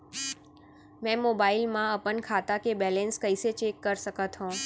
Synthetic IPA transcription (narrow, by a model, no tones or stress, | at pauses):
mɛ̃mobailmãəpənkʰat̪akebɛlẽnskəiset͡ʃekːəɾʃəkət̪ɦõ